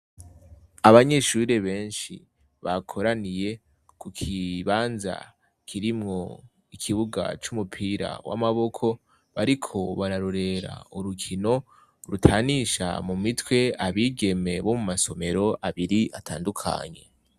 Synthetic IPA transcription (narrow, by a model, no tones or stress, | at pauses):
aβaɲe̞ʃuɾeβe̞ːnʃḭ | βakʰo̞ɾanije̞ | kukʰiβaːnza̰ | kʰiɾimŋo̞ | ikʰiβuɡa̰t͡ʃumupʰiɾa̰wʔa̰maβo̞kʰo̞ | βaɾikʰo̞βaɾaɾuɾe̞ɾa̰uɾukʰino̞ | ɾutʰaːniʃa̰mumitwe̞aβiːɡe̞me̞βo̞mumaso̞me̞ɾo̞ʔaβiɾiʔatʰaːndukʰa̰ɲe̞̰